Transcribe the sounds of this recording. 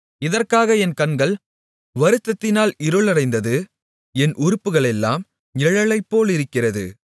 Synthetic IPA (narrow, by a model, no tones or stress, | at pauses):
ɪðɐrkaːɣɐɛnkɐnɡɐɭ | ʋɐɾɯt̪ːɐt̪ːɪnaːlɪɾɯɭɐɾɐɪnd̪ɐðɯ | ɛnʔʊɾɯpːɯɣɐɭɛlːaːm | ɛɻɐɭɐɪpːoːlɪɾɯkːɪrɐðɯ̰